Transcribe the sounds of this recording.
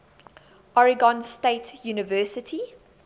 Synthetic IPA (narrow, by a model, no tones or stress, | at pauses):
ʔɔɹɪɡɔ̃nsteɪtʰjuːnɪvɜːˑsɪtʰi